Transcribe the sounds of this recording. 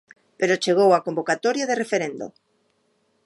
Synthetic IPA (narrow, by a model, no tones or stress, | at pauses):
peɾot͡ʃeɣ̞owakombokat̪oɾjaðerefeɾend̪o̰